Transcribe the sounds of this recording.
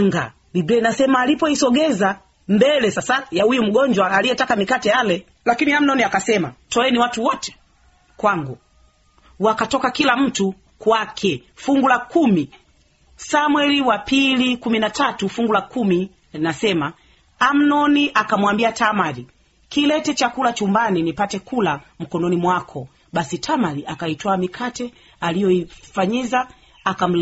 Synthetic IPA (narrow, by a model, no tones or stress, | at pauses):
ŋɡa̰ | libɛnasɛmaːlipɔisɔɡɛza | mbɛlɛsasajahujum̩ɡɔɲd͡ʒwaːlijɛtakamikatɛjalɛ | lakiniam̩nɔniakasɛma̰tɔɛniwatuwɔtɛ̥ | kwaŋɡu | wakatɔkakilam̩tu | kwakʰɛfuŋɡulakumi | samwɛliwapilikuminatatufuŋɡulakumi | nasɛma | am̩nɔniʔakamwambiatamaɾi | kilɛtɛt͡ʃakulat͡ʃumbaninipatɛkʰulam̩kɔnɔnimwakʰɔ | ɓasitʰamaɾiʔakaitɔamikʰatɛ | alijɔifaɲizaː | kam̩